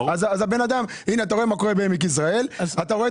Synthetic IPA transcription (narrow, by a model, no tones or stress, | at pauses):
azazabe̞nad̪am | ineat̪̬aʁo̞emako̞ʁe̞baemik̬is̬ʁae̞lat̪aʁo̞e